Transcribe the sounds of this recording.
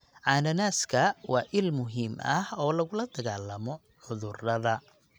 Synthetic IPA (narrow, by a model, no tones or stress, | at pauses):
ʕɑːnɐnaːskʰɐwɑːʔɪlmʊɦiːmʔɐhɔːlɐɣʊlɐd̪ɐɣaːlːɐmɔ | ʕʊðʊrɐðɐ